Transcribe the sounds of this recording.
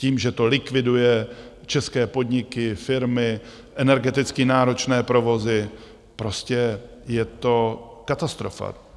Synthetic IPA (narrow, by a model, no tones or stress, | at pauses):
ciːmʒɛt̪o̞lɪkvɪdujɛ | t͡ʃɛskɛːpo̞dɲɪkɪfɪɾmɪ | ʔɛnɛɾɡɛt̪ɪt͡skɪnaːɾo̞t͡ʃnɛːpɾo̞vo̞zɪ | pɾo̞scɛ | jɛt̪o̞kat̪ast̪ɾo̞fa̰